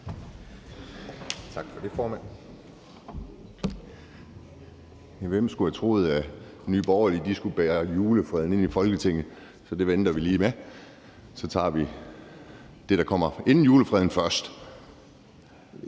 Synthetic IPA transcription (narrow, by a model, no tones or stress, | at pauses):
t͡sʰɑ̈ɡ̥fɒ̽d̥e̝fɒːmæn̰ | ʋem̰sɡ̥uhæt͡sʰʁo̝̰ːð̞̩ˠæ | ny̰ːb̥ɒʊɐlid̥isɡ̥ub̥ɛːɐjuːləfʁɛðˠn̩e̝n̰ifɒ̽lɡ̥ət͡sʰeŋ̰ð̩ˠ | sɒ̽d̥e̝ʋend̥ɐʋiliːme | sɒ̽t͡sʰɑ̰̈ːʋi | d̥e̝ɾ̥ɑ̈kʰɒ̽m̰ɐe̝nn̩juːləfʁɛðˠn̩fɶɐsd̥